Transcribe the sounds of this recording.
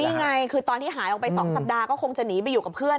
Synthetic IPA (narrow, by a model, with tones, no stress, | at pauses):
niː˧˥˧ŋa˧jkʰɯː˧t̪ɔː˧nt̪ʰiː˥˩ɦaː˩˦jʔɔ˨˩pa˧jsɔː˩˦ŋsa˨˩p̚daː˧kɔː˥˩kʰo˧ŋt͡ɕa˨˩niː˩˦˥pa˧jːuː˨˩ka˨˩pʰɯ˥˩ən